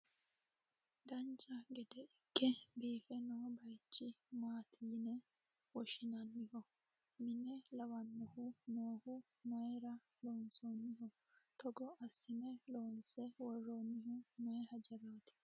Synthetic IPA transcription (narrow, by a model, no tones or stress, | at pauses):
d̪ɐnt͡ʃɐɡɛd̪ɛɪkːɛbiːfɛnoːbɐjt͡ʃːɪmaːt̪ʰiːnɛ | wɔʃɪnɐnːɪhɔ | mɪnɛlɐwɐnːɔhʊnoːhʊ | mɐjɾɐ | loːnsoːnːɪɦɔ | t̪ʰɔɡɔɐsːɪnɛloːnsɛwɔrːoːnːɪhʊmɐjɛhɐd͡ʒɛɾoːt̪ɪ̥